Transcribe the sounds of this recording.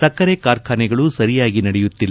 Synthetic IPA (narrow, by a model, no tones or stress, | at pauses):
sɐkːɐɾekaːɾkʰaːnɛɡɐɭusɐɾijaːɡinɐɽɛjut̪ːilːɐ